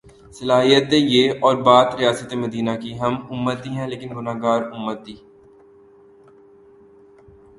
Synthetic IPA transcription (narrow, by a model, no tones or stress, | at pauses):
sɐlaːɦijət̪ejeɔːɾbaːt̪ɾijaːsət̪emɐd̪iːnakiɦɐmʊmːət̪iɦɛ̃leːkɪnɡʊnaːɡaːɾʊmːət̪ːiː